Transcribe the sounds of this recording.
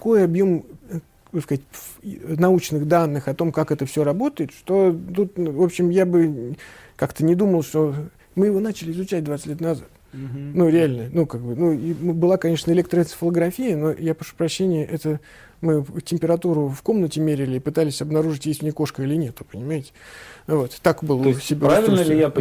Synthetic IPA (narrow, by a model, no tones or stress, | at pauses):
ko̞jɐbjo̞m | oskɐztʲnɐut͡ɕnɨɣd̪anːɨxɐt̪o̞mkakɛt̪əfsʲo̞ɾɐbo̞t̪əɪt̪ʂt̪o̞t̪ut̪vo̞pɕːɪmjabɨ | kakt̪ənʲɪd̪uməlˠʂt̪o | mɨjɪvo̞nat͡ɕɪlʲɪɪzʊt͡ɕæt̚ʲd̪vat̪sɨt̪ʲlʲet̪nɐzat̪ | nuɾʲɪalʲnənukaɡ̚bɨnuibɨlˠakɐnʲeʂnəɪlʲekt̪ɾəsfəlˠəɡɾɐfʲijəno̞japɾɐʂu̥pɾɐɕːenʲɪjəʔɛt̪ə | mɨtʲɪmʲpʲɪɾɐt̪uɾʊfko̞mnətʲɪmʲeɾʲɪlʲɪːpɨt̪alʲɪsʲɐbnɐɾuʐɨtʲjesʲtʲvnʲeko̞ʂkəilʲɪnʲe̞t̪ʊ̥pənʲɪmajɪtʲɪ̥vo̞t̪t̪ːakbɨlˠsʲɪbʲvʲɪlʲnəlʲɪja